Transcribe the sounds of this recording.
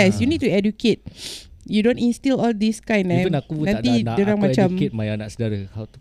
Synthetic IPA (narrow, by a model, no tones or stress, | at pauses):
ɛsjunit̚tuɛdjuket̚judõnĩnstilɔldiskãj̃nɛ̃nakuãt̪ĩdaɾaŋmat͡ʃamket̪̚majanaksədaɾəhawt̪u̥